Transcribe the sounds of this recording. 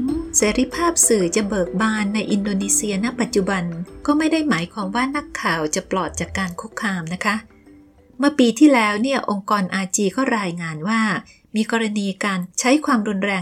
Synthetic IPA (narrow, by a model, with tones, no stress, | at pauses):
seː˩˦˥ɾi˧˥pʰaː˥˩p̚sɯː˨˩t͡ɕa˨˩bɤː˨˩k̚baː˧nːa˧jʔi˧ndoː˧niː˧si˧ɐna˦˥pa˨t̪̚t͡ɕu˨˩ba˧nkɔː˥˩ma˥˩jda˥˩jmaː˩˦jkʰwaː˧mwaː˥˩na˦˥˩kʰːaː˨˩wt͡ɕa˨˩plɔː˨˩t̪̚t͡ɕaː˨˩kːaː˧nkʰu˦˥kʰːaː˧mna˦˥kʰa˦˥ʔ | mɯ˥˩ɐpiː˧t̪ʰiː˥˩lɛː˦˥wni˥˩ɐʔo˧ŋkɔː˧nʔaː˧t͡ɕiː˧kɔː˥˩ɾaː˧jŋaː˧nwaː˥˩ | miː˧kɔː˧ɾa˧niː˧kaː˧nt͡ɕʰa˦˥jkʰwaː˧mɾu˧nɾɛː˧